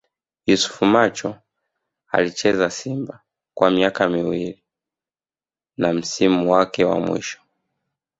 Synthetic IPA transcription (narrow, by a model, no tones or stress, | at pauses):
jusu̥fumat͡ʃɔ | a̰lit͡ʃɛzasimba | kwamiakamiwili | nam̩simuwakɛwa̰mwḭʃɔ̥